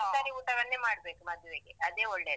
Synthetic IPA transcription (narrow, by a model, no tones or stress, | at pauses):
t̪aːɾiuːʈɐʋɐnːemaːɽbeːkumɐd̪ʱjuʋeːɡeɐd̪eːoɭɖeː